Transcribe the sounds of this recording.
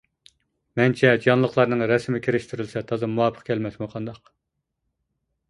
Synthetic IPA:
mɛnt͡ʃʰɛd͡ʒɑnlˠəqlˠɑɾnɨŋɾɛsmɪkʲʰiɾɪʃt̪ʰyɾylsɛt̪ʰɑzɨmuwɑːpʰə̥qkʲʰɛlmɛsmoqʰɑnd̪ɑq

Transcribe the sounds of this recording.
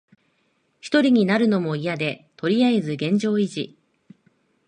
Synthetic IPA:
çʲi̥t̪o̞ɾʲiɲ̟inaɾɯ̟no̞mo̞ijad̪e̞t̪o̞ɾʲiaezɨɡẽ̞ɲ̟d͡ʑo̞ːiʑḭ

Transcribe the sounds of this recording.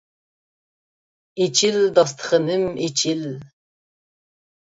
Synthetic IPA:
et͡ʃʰild̪ɑs̬t̪ʰə̥χənɨmet͡ʃʰil

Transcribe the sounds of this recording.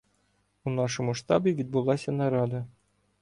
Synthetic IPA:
unɑʂɤ̆mŭʂt̪ɑbiʋʲit̪̚bulˠːɑsʲɤ̆nɑɾɑd̪ɤ̆

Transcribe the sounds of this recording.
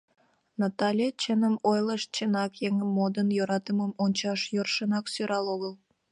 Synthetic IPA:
nɑt̪ɑlʲet͡ɕenəmojləʃt͡ɕenɑkjeŋmːod̪ənjoɾɑt̪əməmonʲt͡ɕɑʃjorʃənɑksyɾɑloɣəlˠ

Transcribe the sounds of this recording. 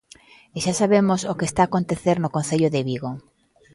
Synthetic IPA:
eʃasaβemosokest̪aːkont̪eθeɾnokõnθeʎʊðeβiɣo

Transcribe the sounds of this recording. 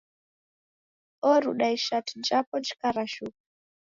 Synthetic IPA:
ɔɾuɗaiʃatind͡ʒapɔnd͡ʒi̥kaɾaʃuk̚u

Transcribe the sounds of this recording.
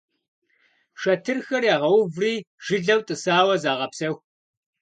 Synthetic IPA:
ʂɐtʰɨrxɐrjaːʁɐwʊvriː | ʒ̥ɨɮɐwtʼɨsaːwɐzaːʁɐpsɐxʷ

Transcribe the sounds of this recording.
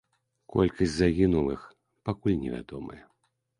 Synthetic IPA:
kɔ̰lʲkɐsʲtʲzaɣʲinulˠɨx | pakulʲnʲɛvʲa̰d̪ɔmɐ̰jɛ

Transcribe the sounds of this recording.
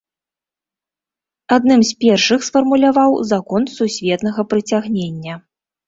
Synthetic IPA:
ad̪nɨmspʲɛrʂɨxsfɐrmulʲavawzakɔnsusʲvʲɛt̪nɐɣɐpɾɨt͡sʲaɣnʲenʲːɐ

